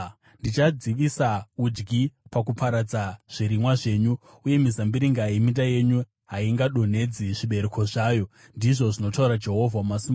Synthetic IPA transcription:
ndit͡ʃad͡ziʋisaud͡ʒɡipakupaɾad͡zaʐ̥iɾimwaʐe̞ːɲu | uje̞mizambiɾiŋɡaimintaje̞ɲu | ɦaiŋɡaɗo̞ne̞d͡ziʐiɓe̞ɾekʰoʐaːjo̞ | ndiʐo̞ʐino̞tauɾad͡ʒe̞ɦo̞vʱamasima

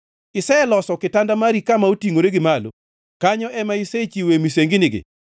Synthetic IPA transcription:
ɪsɛɛlɔsɔkɪtandamaɾikamaotiŋoɾeɡɪmalo̰ | kaɲɔʔɛmaiset͡ʃiwemiseŋɡɪnɪɡɪ̰

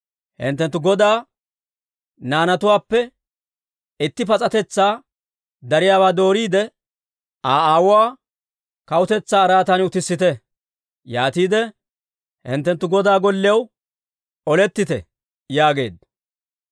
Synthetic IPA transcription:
hɪ̰nt̪ːɛnt̪ːʊɡɔd̪aː | naːnɐt̪ʊwaːpːɛ | ɪt̪ːɪpɐt͡sʼɐt̪ɛt͡sːaː | d̪ɐɾɪjaːbaːd̪o̞ːɾiːd̪ɛ | aːaːwʊwaː | kɐwʊt̪ɛt͡sːaːɐɾaːt̪ɐnʊt̪ɪsːɪt̪ɛ | jaːt̪iːd̪ɛ | hɪ̰nt̪ːɛnt̪ːʊɡɔd̪aːɡɔlːɪjɐw | ɔlɛt̪ːɪt̪ɛ̰ | jaːɡe̞̰ːd̪

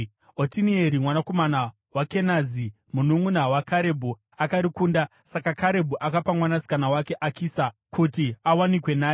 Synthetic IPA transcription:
otinieɾimwanako̞mana | wake̞nazi | munumunawakʰaɾe̞bʱu | akaɾikuːnda | sakakaɾe̞bʱuʔakapamwanasi̥kanawake̞ʔakiːsakutiawanikwe̞naːe

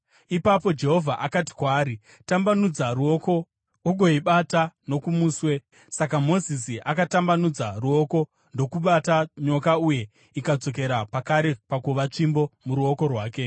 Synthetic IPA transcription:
ipapo̞d͡ʒe̞ɦo̞vʱaʔakati̥kwaːɾi | tambanud͡zaɾuo̞ko̞ | uɡʱo̞iɓatano̞kumuːswe̞ | sakamo̞zisiʔakatambanud͡zaruo̞ko̞ | ndo̞kuɓataɲo̞kauje̞ | ikad͡zo̞k̬e̞ɾapakaɾe̞pakuʋat͡ʂimbo̞muɾuo̞ko̞rwaːke̞

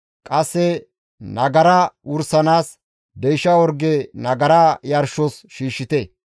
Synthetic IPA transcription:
kʼɐsːɛ | nɐɡɐɾɐʔʊɾsɐnaːs | d̪ɛjʃɐwɔɾɡɛnɐɡɐɾajɐɾʃɔsʃiːʃːɪt̪ɛ

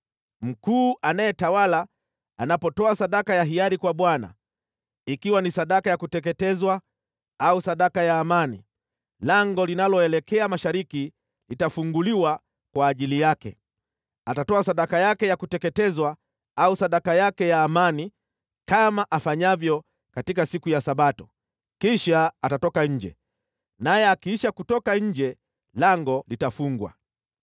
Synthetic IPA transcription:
m̩kuːʔanajɛtawala | anapɔtɔasaɗakajaɦiaɾikwaɓwana̰ | ikiwanisaɗakajakutɛkɛtɛzwa | ausaɗakajaːmanḭ | laŋɡɔlinalɔɛlɛkɛamaʃaɾiki | litafuŋɡuliwa | kwaːʄilijakɛ̰ | atatɔasaɗakajakɛjakutɛkɛtɛzwa | ausaɗakajakɛjaːmani | kamaʔafaɲavjɔ | katikasikujasaɓatɔ̥ | kiʃaːtatɔkaɲ̩d͡ʒɛ̰ | najɛakiiʃakutɔkaɲ̩d͡ʒɛ | laŋɡɔlitafuŋɡwa̰

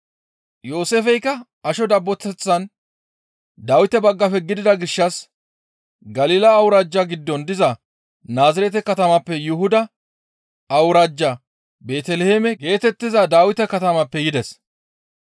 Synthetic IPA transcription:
jo̞ːseːfɛjkːɐ | ɐʃɔd̪ɐbːɔt̪ːɛt͡sːɐn | d̪aːwɪt̪ɛbɐɡːɐfɛɡɪd̪ɪd̪ɐɡɪʃːɐs | ɡɐliːlɐːwʊɾaːd͡ʒːaɡɪd̪ːɔnd̪ɪzɐ | naːzɪɾɛt̪ɛkɐt̪ɐmɐpːɛjʊhʊd̪ɐ | ɐwɾaːd͡ʒːɐ | be̞ːt̪ɛlɛheːmɛɡe̞ːt̪ɛt̪ːɪzɐd̪aːwɪt̪ɛkɐt̪ɐmɐpːɛjɪd̪ɛs

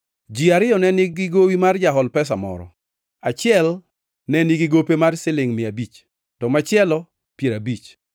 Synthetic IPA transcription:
d͡ʒiaɾɪjɔnɛnɪɡɡɪɡowimard͡ʒaɦɔlpɛs̬amɔ̰ɾɔ̰ | at͡ʃɪɛl | nɛniɡiɡopemarsɪlɪŋmɪabit͡ʃ | tɔmat͡ʃɪɛlɔ | pjeɾabit͡ʃ

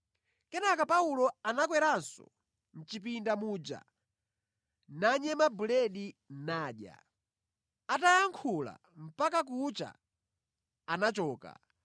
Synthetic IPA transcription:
kɛnakapaulɔanakwɛɾansɔ̰ | n̩t͡ʃipindamuːd͡ʒa̰ | naɲɛmabulɛɗinaːɗja̰ | atajaŋkʰula̰ | m̩pak̬ak̬ut͡ʃa̰ | nat͡ʃɔːka̰

